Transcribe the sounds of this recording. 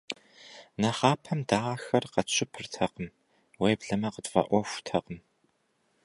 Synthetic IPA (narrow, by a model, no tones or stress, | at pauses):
nɐχɑːpʰɐmdaːxɐrqɐɕʰɪpʰɨrtʰɐqəm | weːbɮɐmɐqətʼvɐ̰ʔʷɔxʷʊ̥tʰɐqəm